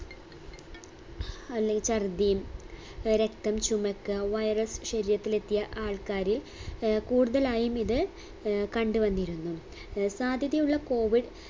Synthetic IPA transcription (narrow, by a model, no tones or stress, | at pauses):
ɐlːt͡ɕɐrd̪ijum | ɾe̞kt̪ɐmt͡ɕumɐkːɨʋɐjrɐsɕɐɾijɐt̪ːile̞t̪ːijɐʔaːɭkaːɾil | kuːɽuðɐlaːjumiðɨ | kɐɳɖuʋɐnːiɾunːu | saːd̪ʱjɐðjɐmuɭːɐko̞ːʋiɖ